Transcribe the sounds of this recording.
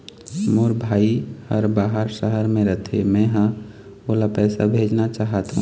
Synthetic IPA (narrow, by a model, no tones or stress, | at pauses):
moɾbʱaːihəɾbaːɦəɾʃəɦəɾmẽɾət̪ʰemɛ̃ɦã | olapɛːsa̰bʱeːd͡ʒnat͡ʃaːɦət̪ɦṵ̃